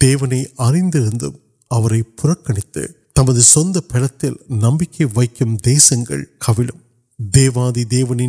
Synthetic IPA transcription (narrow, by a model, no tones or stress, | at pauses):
d̪̥eːʋɐnɐɪʔɐrɪnd̪ɪɾɯnd̪ɯm | ɐʋɐɾɐɪpʊrɐkːɐɳɪt̪ːɯ̰t̪ɐmɐðɯsɔnd̪ɐpɛɽɐt̪ːɪlnɐmbɪkːɐɪʋɐɪkːɯmd̪eːsɐŋɡɐ̰ɭkʰɐʋɪlɯm | d̪eːʋaːðid̪eːʋɐnɪ